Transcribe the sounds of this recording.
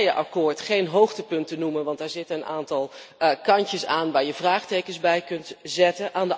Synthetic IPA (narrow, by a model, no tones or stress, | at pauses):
jəʔɑkʊːɹtχejnɦowχtəpɵntənumənʋɑntɛɹzɪtəənaːntɑlˠkɑɲcəsaːnʋaːɹjəvraːχtejkənzbɛjkɵntzɛtənʔaːndə